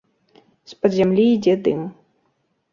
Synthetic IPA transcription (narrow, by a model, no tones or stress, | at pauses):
spɐd̪zʲamlʲiːd͡zʲɛd̪ɨm